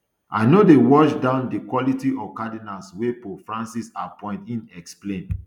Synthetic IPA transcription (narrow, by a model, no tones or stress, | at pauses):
ʔa̰ɪnodewɔʃdãʊ̃ndikwɔlitiʔɔkadinalswepofɹãnsisapʰɔ̃ɪ̃ntĩnɛksplẽn